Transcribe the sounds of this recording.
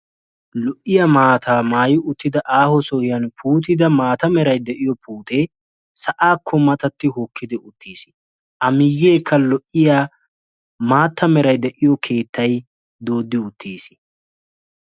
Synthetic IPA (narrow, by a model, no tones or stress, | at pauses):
lɔʔːɪjɐmaːt̪ʰaːmaːjɪʊt̪ːɪd̪ɐʔaːhɔsɔhɪjɐnpʰuːt̪̬ɪd̪ɐmaːt̪ɐmɛɾɐjd̪ɛʔɪjɔpuːt̪eː | sɐʔaːkʰːɔmɐt̪ɐt̪ːɪhɔkʰːɪd̪ɪʔʊt̪ːiːsɪ | ʔɐmɪjːeːkʰːɐlɔʔɪjaː | maːt̪ːɐmɛɾɐjd̪ɛʔɪjɔkʰe̞ːt̪ːɐj | d̪o̞ːd̪ːɪʊt̪ːiːsɪ